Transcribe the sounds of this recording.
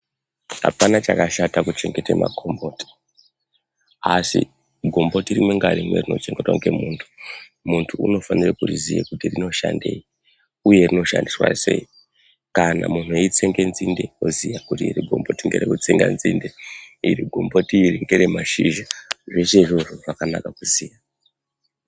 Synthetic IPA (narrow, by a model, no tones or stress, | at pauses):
ɦa̰panat͡ʃakaʃatakut͡ʃe̞ŋɡe̞tema̰kʰombo̞ti̥ | asḭ | ɡʱo̞mbo̞tirimweŋɡaɾimwḛrino̞̰t͡ʃe̞ŋɡe̞twaŋɡe̞muːntʰu̥ | muntʰuṵno̞fanirekurizijekutirino̞ʃande̞ːi | uje̞rino̞ʃandiswa̰se̞i | kanamun̤ueit͡se̞ŋɡe̞nzinde̞ozijakutiːɾiɡʱo̞mbo̞tiŋɡeɾekut͡seŋɡa̰nzindeiɾiɡʱombo̞tiːriŋɡeɾemaʃiʒaʐe̞se̞ʐoʐoʐakanakakuzija